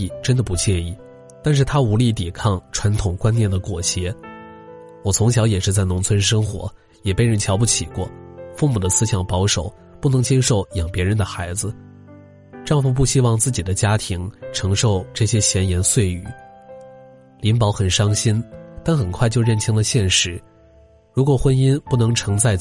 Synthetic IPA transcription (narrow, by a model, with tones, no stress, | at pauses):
ʈ͡ʂə˥nd̪ə˨pu˧˥t͡ɕjɛ˥˧ni˥˩ | t̪a˥˧nʂ̬ɻ̩˥˩t̪ʰa˥u˧˥li˥˩t̪i˨˩kʰɑ˥˩ŋʈ͡ʂʰwa˧˥nt̪ʰʊ˨˩ŋkwa˥njɛ˥˩nd̪ə˩kwɔ˨˩ɕjɛ˧˥ | wɔ˨˩t͡sʰʊ˧˥ŋɕjɑ˧˥ʊjɛ˨˩ʂɻ̩˥˧t͡sa˥˩ɪnʊ˧˥ŋt͡sʰwə˥nʂɤ˥ŋxwɔ̰˧˥ | jɛ˨˩pe˥˧ɪɻə˥˩nt͡ɕʰjɑ˧˥ʊp̬u˥˩t͡ɕʰi˨˩kwɔ˥˧fu˥˧mu˨˩d̪ə˦sɹ̩˥ɕjɑ˨˩ŋpɑ˧˥ʊʂo˨˩˦ʊ | pu˥˩nɤ˧˥ŋt͡ɕjɛ˥nʂo˧˩ʊjɑ˨˩ŋpjɛ˧˥ɻə˧˥nd̪ə˧˨xa˧˥ɪd͡zɹ̩˧ | ʈ͡ʂɑ˥˧ŋfu˧˥˧p̬u˥˩ɕi˥wɑ˥˧ŋt͡sɹ̩˥˩t͡ɕi˨˩d̪ə˦t͡ɕja˥t̪ʰi˧˥ŋʈ͡ʂʰɤ˧˥ŋʂo˥˧ʊʈ͡ʂɤ˥˩ɕjɛ˥ɕjɛ˧˥njɛ˧˥nswe˥˩ɪy̰˨˩˦ | li˧˥npɑ˧˥ʊxə˨˩nʂɑ˥ŋɕi˥nt̪a˥˩nxə˨˩nkʰwa˥˧ɪt͡ɕjo˥˧ɻə˥˩nt͡ɕʰi˧˥ŋd̪ə˧ɕjɛ˥˩nʂɻ̩˧˥ | ɻu˧˥kwɔ˨˩xwə˥ni˥npu˥˩nɤ˧˥ŋʈ͡ʂʰɤ˧˥ŋt͡sa˥˧ɪ